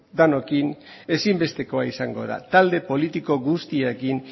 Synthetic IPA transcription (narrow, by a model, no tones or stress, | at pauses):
d̪anokin | e̞simbe̞st̪e̞ko̞aisaŋɡo̞̰ða̰t̪ald̪e̞po̞lit̪iko̞ɣust̪iekin